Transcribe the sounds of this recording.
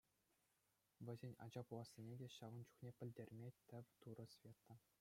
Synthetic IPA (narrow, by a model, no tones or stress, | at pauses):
ʋʲɘ̆zʲenʲɑ̰d͡ʑɑpulˠɑsʲːenʲedʲeɕɑʋɤ̆nt͡ɕu̥χnʲepʲɘ̆lʲdʲerʲmʲet̪ʲɘ̆ʋʲt̪uɾɤ̆sʲvʲet̪ːɤ̆